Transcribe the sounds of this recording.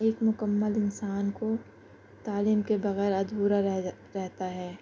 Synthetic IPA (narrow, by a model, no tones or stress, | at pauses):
eːkmʊkəmːəlɪnsaːnko | t̪aːliːmkebɐɣɛːɾɐd̪uːɾaɾ | ɾɛɦt̪aɦɛː